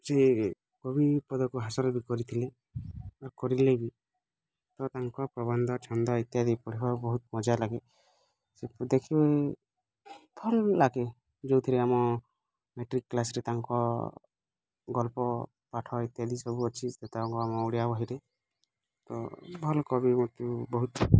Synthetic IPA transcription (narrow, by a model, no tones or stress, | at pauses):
se | ɡɔbipɔd̪ɔkuɦasɔɾɔbikɔɾit̪ʰile | aɾkɔɾilebi | t̪ɔt̪aŋkɔpɾɔbɔnd̪ʱɔt͡ʃʰɔnd̪ɔit̪jad̪ipɔɽibaɾbɔɦut̪̚mɔd͡ʒalaɡe | sepd̪ekʰibe | pʰɔlːaɡe | d͡ʒewt̪ʰiɾeamɔ | meʈɾikːlasɾet̪aŋkɔ | ɡɔlpɔ | paʈʰɔit̪jad̪isɔbuɔt͡ʃʰit̪et̪abɔŋkɔamɔuɽijabɔɦiɾe | t̪ɔ̰bʱɔlkɔbimɔt̪ubɔɦut̪